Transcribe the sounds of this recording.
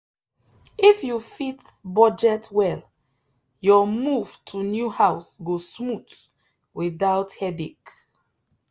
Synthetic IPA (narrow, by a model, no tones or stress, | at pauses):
ifjufitbɔd͡ʒɛtʰwɛl | jɔmuv̥tʰunjuhaʊsɡosmut | wiðaʊthɛdek